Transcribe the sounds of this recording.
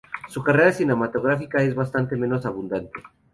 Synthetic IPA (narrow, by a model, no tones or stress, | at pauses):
sukareɾasine̞mat̪o̞ɣ̞ɾafikae̞zβast̪ant̪e̞mẽ̞no̞saβ̞und̪ant̪e